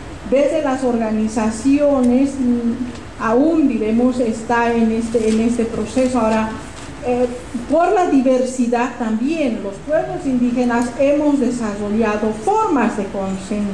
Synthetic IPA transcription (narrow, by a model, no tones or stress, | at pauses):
bezðelaso̞ɾɣanisasjones | aund̪iɾemosest̪aenest̪eːnest̪epɾosesoaoɾa | e | poɾlaðiβeɾsiðaðt̪ambjenlospwe̞βlosind̪ixenasemozðe̞saroʎaðofoɾmazðekonsen